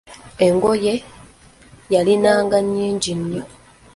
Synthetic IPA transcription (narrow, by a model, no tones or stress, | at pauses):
eŋɡo̞je | jalinaːŋɡaɲːiːɲɟinjo